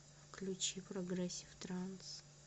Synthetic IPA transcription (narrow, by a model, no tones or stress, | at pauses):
fklʲut͡ʃiprɐɡrɛsʲɪft̪rans